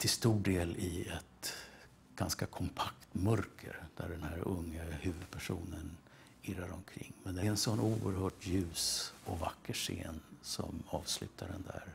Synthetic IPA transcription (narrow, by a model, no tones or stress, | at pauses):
t̪ʰɪlst̪uːɖeːlɪɛt̪ | ɡ̥anskakʰɔmpʰakt̪mœɾkʰə̰ɾd̪̥æɖɛnhæɾɵŋːəhʉ̟ːvɵd̪̚pʰæʂuːnən | ɪɾaɾɔmkʰɾɪ̰ŋːmɛnd̪ɛɛnsɔnːuːəɾɦœːʈjʉ̟ːsɔvakːəʂḛːnsɔ̰mɑːvslʉ̟ːt̪ʰaɖɛnd̪æɾ